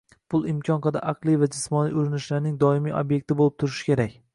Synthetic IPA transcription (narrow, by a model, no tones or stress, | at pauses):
pʰʊlˠɪmkʲʰɒnqɑd̪a̰ʔɑqlˠijvad͡ʒɪsmɒnḭʔʊɾɪnɪʃlaɾnɪŋd̪ɒɪmiʔo̰bje̞k̚ʲt̪ʰɪbolˠɪp̚t̪ʰʊɾɪʃɪ̥kʲʰe̞ɾakʲ